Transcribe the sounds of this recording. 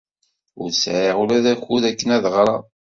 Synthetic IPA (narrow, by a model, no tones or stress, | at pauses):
ʊɾsʕiʁulæðæçuðækːənæðʁɾˤɑ